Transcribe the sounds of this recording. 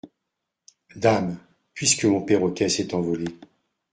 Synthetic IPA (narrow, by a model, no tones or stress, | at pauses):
d̪am | pɥiskəmɔ̃peʁɔkʲɛsɛt̪ɑ̃vɔle